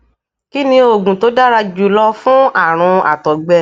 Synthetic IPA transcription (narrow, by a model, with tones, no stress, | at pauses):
ki˦nĩ˧o˨ɡũ˨to˨˦da˦ɾa˧d͡ʒu˨lɔ˧fũ˦a˦˨ɾ̃ũ˧a̰˨tɔ˨ɡ͡bɛ˧